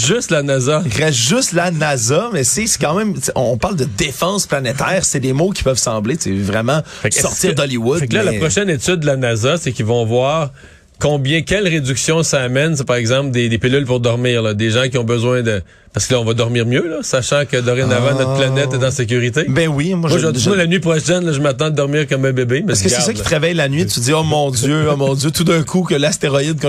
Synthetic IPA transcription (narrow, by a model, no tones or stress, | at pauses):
ʒʏst̪lanazaʁɛʒʏst̪lanazamɛsesɛ̥kɑ̃mɛ̃mseʔɔ̃ɔ̃paʁld̪əd̪efɑ̃splanet̪ɛːʁsɛd̪emokʲi̥pœvsɑ̃blet͡sḛvʁɛmɑ̃fɛksɔt͡s̪siːʁd̪ɔliwʊd̪fɛkklalapʁɔʃɛnet̪ʏd̪̚ːəlanazasɛkʲilvɔ̃vwaːʁ | kɔ̃bjɛ̃kʲɛlʁed̪d͡zyksjɔ̃saːmɛns̬epaʁɛɡzɑ̃pld̪ed̪epelylpuʁd̪ɔʁmiːʁlʌd̪eʒɑ̃kʲiɔ̃bəzwɛ̃d̪ə | paʁskəlɔ̃vʌd̪ɔʁmiːʁmjølʌsaʃɑ̃kəd̪əʁenavãnɔt̪̚planɛt̪ɛt̪ɑ̃sek̬ʲyʁit̪ebɛ̃wimwaʒmwʒənelanɥipχɔʃɛnlʌʒəmat̪ɑ̃d̪əd̪ɔʁmiːʁkɔmːɛ̃bebemɛɛskəsɛsəkit̪ʁavajlanɥit̪yziomɔ̃zjøomɔ̃zjøt̪ud̪ɛ̃kʰukʲəlast̪eʁɔid̪̚kɔ̃